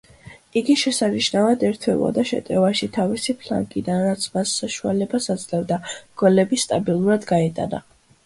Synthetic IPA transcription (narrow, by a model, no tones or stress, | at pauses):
iɡiʃɛsaniʃnavad̪ɛɾt̪ʰɛvɔ̰d̪aʃɛ̰t̪ʼɛvaʃit̪ʰavisipʰla̰ŋkʼid̪anɾat̪sʰmasːaʃua̰lɛbasad̪zlɛvd̪aɡ̥wɛlɛbist̪ʼabilˠuɾad̪ɡaɛt̪ʼa̰na̰